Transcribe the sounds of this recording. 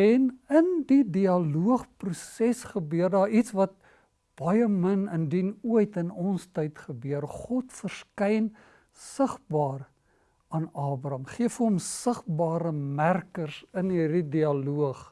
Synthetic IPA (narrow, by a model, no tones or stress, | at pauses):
ɛnəndidiɐluəχprusɛsχəbøərdɑːitsvɐt̚ | b̥ɐjəmənəndinuəjtənɔnstəjtχəbøərχɔtfərskɛjn | səχbɑːr | ɑnɑːbrɐmχiəfuɔmsəχbɑːɾəmærkərsənɦirdidiɐluəχ